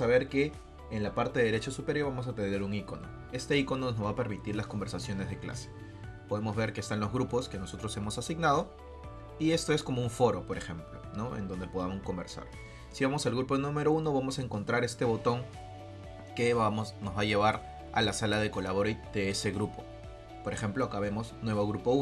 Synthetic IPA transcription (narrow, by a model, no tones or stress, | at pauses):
aβ̞e̞ɾke̞ː | nlapaɾt̪e̞ðɾet͡ʃosupe̞ɾjo̞ɾβamo̞s̬ap̪end̪ɾe̞ɾuŋiko̞̰no̰ | e̞st̪e̞iko̞nonozβape̞ɾmit̪iɾlasko̞mbeɾsasjo̞ne̞zðe̞kla̰se̥ | poðe̞mo̞zβe̞ɾkeːst̪anlo̞zɣɾupo̞ske̞no̞so̞t̪ɾo̞se̞mo̞sasiɡnað̞o̞ | ie̞st̪o̞e̞sko̞mouɱfo̞ɾo̞po̞ɾe̞xe̞mplo̞̰no̞ḛnd̪o̞nd̪epo̞ð̞amosko̞mbe̞ɾsa̰ɾ | siβamo̞salɣɾupo̞nũme̞ɾo̞uno̞β̞amo̞saeŋko̞nt̪ɾaɾe̞st̪e̞βo̞t̪o̞ŋ | ke̞mosnozβaʝe̞β̞aɾ | a̰lasalaðe̞ko̞laβoɾod̪̥e̞ese̞ɣɾupo̞̥ | po̞ɾexe̞mplo̞akaβe̞mo̞snwe̞βo̞ɣɾupo̞u